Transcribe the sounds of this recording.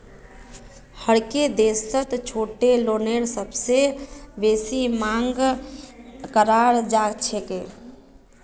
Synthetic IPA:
həɽked̪eːsət̪t͡ʃʰoːʈeloːneːɾsəbsebeːsimãːŋɡ | kəɾaːɾd͡ʒaːt͡ʃʰekeː

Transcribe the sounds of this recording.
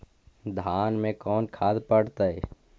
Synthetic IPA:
d̪ʱaːnmẽkɔːnkʰaːd̪pəɽt̪əɛ

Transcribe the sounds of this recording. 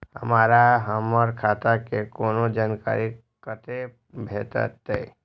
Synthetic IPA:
həmaːɾaɦəməɾkʰaːt̪akekoːnod͡ʒaːnka̰ːɾi | kət̪e | bʱeːt̪ə̰t̪ːḛː

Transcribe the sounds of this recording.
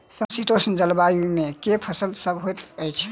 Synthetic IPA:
səmsit̪osənd͡ʒəlbajumẽkepʰəsəlsəbɦot̪əjt͡ʃʰɛ̥

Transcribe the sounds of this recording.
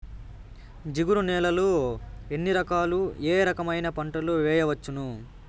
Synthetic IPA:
d͡ʒiɡuɾunɛːlɐloe̞nːiɾɐkaːlueːɾɐkɐmɐjnɐpɐɳʈɐluʋɛːjɐʋɐt͡ʃːunu

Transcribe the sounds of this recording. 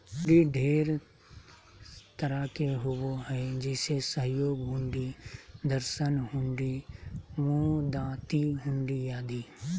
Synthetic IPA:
ɾiɖʱeːɾ | t̪əɾakeɦʊwoɦɛd͡ʒeːsesəɦjoːɡɦʊ̃ɳɖid̪əɾʃənɦʊ̃ɳɖiʋõd̪ãːt̪iɦʊ̃ɳɖijaːd̪iː

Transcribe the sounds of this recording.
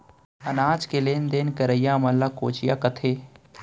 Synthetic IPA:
ɐnaːd͡ʒkeleːnd̪eːnkɐɾəjaːmɐlakoːt͡ʃɪjaːkɐt̪ʰeː

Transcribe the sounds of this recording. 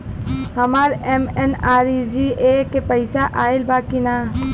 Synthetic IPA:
hɐmaːɾemenaːɾid͡ʒiekepɐɪsaʔaːɪlbʱaːkinaː

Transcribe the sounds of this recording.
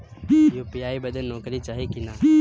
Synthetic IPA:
juːpijaːibəd̪ənɔːkɾiːt͡ʃaːɦikɪnaː

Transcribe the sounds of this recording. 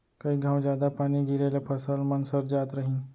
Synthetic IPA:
kəiɡʱãːwd͡ʑjad̪apaːñiɡʱiɾelepʰəsəlmənsəɾd͡ʑaːt̪ɾəɦĩ

